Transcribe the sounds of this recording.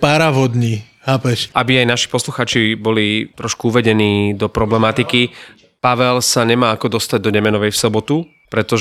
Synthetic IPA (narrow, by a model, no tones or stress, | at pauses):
paɾaʋɔd̪ɲiː | hapɛʃʔabiajnaʃi̥pɔsluxaːt͡ʃibɔlit̪ɾɔʃkuuʋɛɟɛniːd̪ɔpɾɔblɛmat̪iki | paʋɛlsaɲɛmaːakɔd̪ɔst̪aɟ̚d̪ɔdɛmɛnɔʋɛjfsɔbɔt̪u | pɾɛt̪ɔʒ